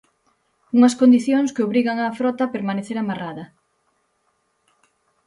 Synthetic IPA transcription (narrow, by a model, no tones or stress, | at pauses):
uŋɐskond̪iθjoŋskeoβɾiɣaŋafɾɔt̪ɐpeɾmaneθeɾamaraðɐ